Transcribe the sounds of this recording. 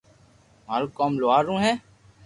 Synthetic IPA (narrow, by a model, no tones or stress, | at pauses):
maːɾoːkaːmloaːɾːũːɦɛː